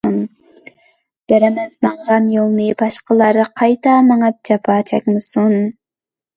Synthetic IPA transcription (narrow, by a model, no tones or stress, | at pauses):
n | d̪̥ʲæɾɛmɪzmɑɴʁɑnjolˠnɨbɑʃqəlˠɑɾqʰɑjt̪ɑmɑŋɑp̚d͡ʒɑpʰɑːt͡ʃʰɛkʲmɨsun